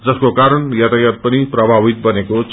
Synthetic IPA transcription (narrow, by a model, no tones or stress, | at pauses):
d͡zʌskokaɾʌnjat̪ajat̪̚pʌniprʌbʱabit̪̚bʌnekot͡sʰ